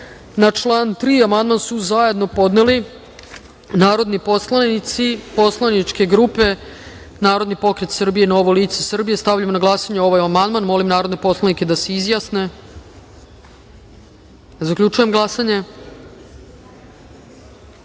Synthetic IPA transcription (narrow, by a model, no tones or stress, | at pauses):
nat͡ʃlˠaːnt̪ɾiːamand̪mansuzaje̞d̪no̞po̞d̪ne̞li | naːɾo̞d̪nipo̞slˠanit̪sipo̞slˠanit͡ʃke̞ɡɾupe̞ | naːɾo̞d̪nipo̞kɾe̞t̪sr̩bijenaoʋoliːt̪se̞sr̩bije̞st̪avʎamonaɡlˠasaɲeo̞ʋajamand̪manmo̞limnaːɾod̪nepo̞slˠanike̞d̪aseizjaːsne̞ | zakʎʲut͡ʃuje̞mɡlˠasaɲe̞